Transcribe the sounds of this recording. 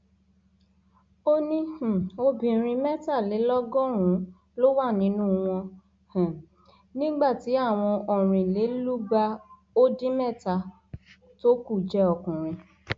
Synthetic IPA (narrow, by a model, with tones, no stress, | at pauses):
o˦nĩ˦˨o˧bĩ˨ɾ̃ĩ˧mɛ˦˨ta˦˨le˨˦lɔ˦ɡɔ̃˦˨ɾ̃ũ˨˦ | lo˦wa˦˨nĩ˨˦nũ˦w̃ɔ̃˧ | hɛ̃˨ | nĩ˦ɡ͡ba˦˨ti˨˦a˦˨w̃ɔ̃˧ɔ˨ɾ̃ĩ˨le˨˦lu˦ɡ͡ba˧ | o˦dĩ˦mɛ˦˨ta˧ | to˦ku˦˨d͡ʒɛ˨˦ɔ˨kũ˨ɾ̃ĩ˧